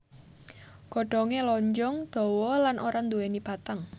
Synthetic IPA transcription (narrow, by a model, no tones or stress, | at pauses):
ɡ̥ɔ̤ɖ̥ɔ̤ŋelɔɲd͡ʒɔŋd̪̥ɔ̤wɔlanʔoɾand̪uwenib̥at̪əŋ